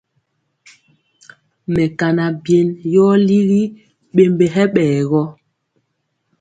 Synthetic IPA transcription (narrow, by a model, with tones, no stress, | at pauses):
mɛ˨ka˨na˨bje˨njɔː˦li˦ɾi˦ | ɓe˨mbe˨ɦɛ˦ɓɛː˨ɣɔ˦